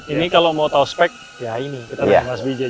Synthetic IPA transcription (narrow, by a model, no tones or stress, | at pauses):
inikalomawt̪auspɛk̚ | jainikit̪ajamasbid͡ʒa